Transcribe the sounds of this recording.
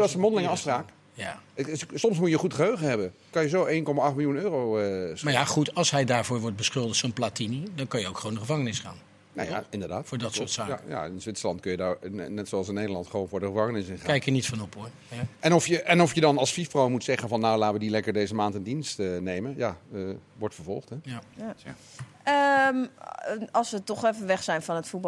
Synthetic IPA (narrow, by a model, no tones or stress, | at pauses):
səmɔndəlɪŋəɑfspraːk | jasɔmsmutjəχutχəɦøɥχənɦɛbə | kɑnjəzowejnkɔmaɑχtmɪljunøːrowəsmajaχutɑlˠsɦɛjdaːɹvʊːɹʋɔɹt̚bəsχʏlˠdəχtsonplaːtinidɑnkɑnjəowkχəowndəχəvɑŋənɪsχa̰ːn | na̰ja̰ɪndəɹdaːtfʊːɹdɑtsʊɹtsaːja̰ɪnzʋɪtsəlɑntkɵjədaɹnɛtsoɑlˠsɪnːejdəlˠɑntχəʋownvʊːɹdəχəvɑŋənɪsɪnχkɛjkənitfɔnɔpoɹ | ɛnɔfjəʔɛnɔfjədɑnɑlˠsfifprowmutsɛχənvɑnːawlaːtʋədilɛkəɹdejzəmaːntɪndinstənejmənjaəʋɔɹtfəɹvɔ̰lˠχtɛ | əm | ɑlˠsʋətɔχɛfəʋɛχsɛjnfɔnətfub